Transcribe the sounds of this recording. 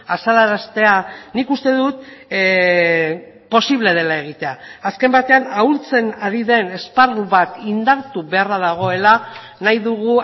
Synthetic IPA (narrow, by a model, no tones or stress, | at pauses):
asalaɾast̪e̞anikust̪e̞ðut̪ | po̞siβle̞ð̞e̞lae̞ɣ̞it̪e̞aːske̞mbat̪e̞anault͡se̞naɾiðe̞ne̞sparuβat̪ind̪aɾt̪uβe̞araðaɣ̞o̞e̞la | najðuɣu